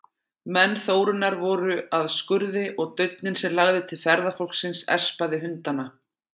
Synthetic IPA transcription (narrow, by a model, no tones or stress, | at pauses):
mɛnːθoːwɾʏnːaɾvɔɾʏaðskʏɾðɪʔɔɣt̪œɥt̪̚nɪnsɛmlaɣðɪt̪ʰɪlfɛɾðafowl̥ksɪnsɛ̰r̥spaðɪɦʏnt̪ana